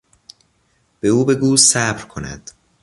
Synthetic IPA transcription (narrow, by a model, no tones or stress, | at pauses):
b̥e̞uːbe̞ɡuːsæbɾkʰonæ̰d̪̥